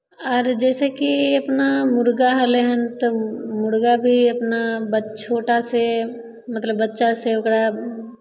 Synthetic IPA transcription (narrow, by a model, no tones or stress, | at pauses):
ɔːɾd͡ʒɛːsekiɐpnamʊɾɡaɦəleɦənt̪omʊɾɡabʱiɐpnabət͡ʃʰoːʈase | mɐt̪ləbːɐtːʃaseʊkɽa